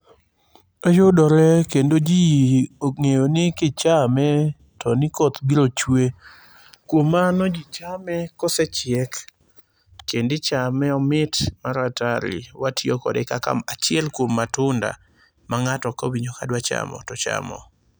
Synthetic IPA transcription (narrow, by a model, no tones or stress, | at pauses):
ojʊdɔɾɛkendod͡ʒioŋejonɪkɪt͡ʃamɛ | tɔnɪkɔt̪ɡiɾot͡ʃwe | kwomːanod͡ʒit͡ʃamɛkɔsɛt͡ʃɪɛkː | endɪt͡ʃamɛɔmɪtmaɾataɾɪ̰watʰjokɔ̰dɪkaka̰mat͡ʃɪɛlkwomːatʊnda̰ | maŋatɔkowiɲokadwat͡ʃa̰mɔ̰tɔt͡ʃa̰mɔ̰